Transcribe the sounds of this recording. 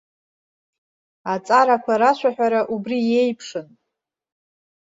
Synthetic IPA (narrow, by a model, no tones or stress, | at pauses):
at͡sʼaɾakʷʰaɾaʃʷaħʷᶣaɾaʔubrie̞jpʰʂɨn